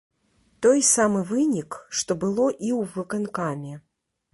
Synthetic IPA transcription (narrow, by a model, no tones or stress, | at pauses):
t̪ɔjsamɨvɨnʲikʂt̪ɔbɨlˠɔʔiwvɨkankamʲɛ